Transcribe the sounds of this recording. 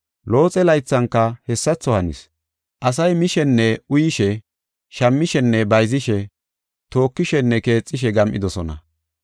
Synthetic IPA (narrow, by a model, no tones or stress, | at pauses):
lo̞ːt͡sʼɛlɐjt͡sːɐŋkːɐhɛsːɐt͡sːɔhɐnɪ̰s | ʔɐs̬ɐjmɪʃɛnːɛʊjɪʃɛ | ʃɐmːɪʃɛnːɛbɐjzɪʃɛ | t̪o̞ːkːɪʃɛnːɛke̞ːt͡sʼːɪʃ̬ɛɡɐmʔɪd̪ɔsɔnɐ̰